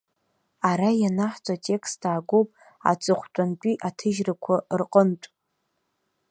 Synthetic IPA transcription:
aɾajanaħt͡sʷʼatʼe̞kʰsttaːɡʷowpʼ | a̰t͡sʼɨχʷtʷʼant͡pʷʼiʔatʰɨʒrakʷʰarqʼəntʷʼ

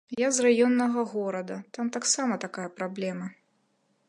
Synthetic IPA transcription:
jazrajɔnːɐɣɐɣɔɾɐd̪ɐt̪amt̪aksamɐt̪akajɐpɾablʲɛmɐ

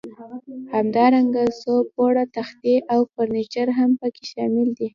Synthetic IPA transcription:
hamd̪ɑɾaŋɡasopoɽat̪axt̪eʔawfoɾnit͡ʃaɾɦampəkeʃɑmɪld̪i

